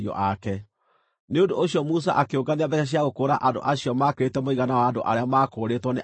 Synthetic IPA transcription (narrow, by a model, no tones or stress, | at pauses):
iɔ̰ʔakɛ | neondooɕiɔmus̬a̰ʔakeoŋɡaneabɛaɕ̬iaɣokoːɾaʔando̰ʔaɕijɔmakeɾetɛmoiɣanawaːndo̰ʔa̰ɾeamaːkoːɾetwɔne